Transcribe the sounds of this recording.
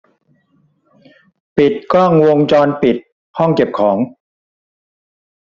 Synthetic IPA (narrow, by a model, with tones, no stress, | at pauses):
pi˨˩t̪̚kɔː˥˩ŋwo˧ŋt͡ɕɔː˧npi˨˩t̪̚ | hɔ˥˩ŋke˨˩p̚kʰɔː˩˦ŋ